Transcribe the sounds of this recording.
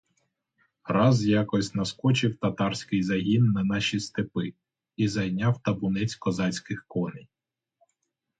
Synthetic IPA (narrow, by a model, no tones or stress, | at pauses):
ɾɑzjɑkɔsʲnɐskɔt͡ʃɪwt̪ɐt̪ɑrsʲkɪjzɐɦʲinːɐnɑʃist̪epɪ | izɐjnʲɑwt̪ɐbʊnɛt͡sʲkɔzɑt͡sʲkɪxkɔnɪj